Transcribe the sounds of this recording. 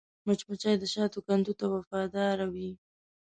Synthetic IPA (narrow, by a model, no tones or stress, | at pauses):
mat͡ʃmat͡ʃɑjd̪əʃɑt̪okand̪ut̪awafɑd̪ɑɾawi